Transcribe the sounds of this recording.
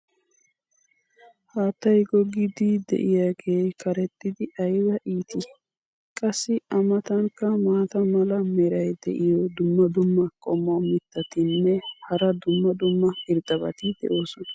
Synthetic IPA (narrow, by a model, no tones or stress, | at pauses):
haːt̪ːɐjɡɔɡɪd̪id̪ɛ̰ʔɪjaːɡe̞ːkʰɐɾɛt̪ʼːɪd̪ɪʔɐjbɐʔiːt̪ʰɪ | kʼɐsːɪɐmɐt̪ɐŋkɐmaːt̪ɐmɐlɐmɛɾɐjd̪ɛ̰ʔɪjɔd̪ʊmːɐd̪ʊmːɐkʼɔmːɔmɪt̪ːɐt̪ɪnːɛhɐɾɐd̪ʊmːɐd̪ʊmːɐpɪɾd̪ɐbɐ̰t̪ɪd̪ɛ̰ʔo̞ːsʊnɐ